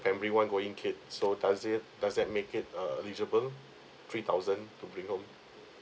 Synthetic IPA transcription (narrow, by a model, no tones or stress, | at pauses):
fɛ̃mbəɹiwãnɡoĩŋkʰɪt̚sodasɛt̚dasdɛt̚mekɪt̚əilid͡ʒəbəl | t̪ʰɹit̪ʰaʊzə̃ntubɹĩŋhõm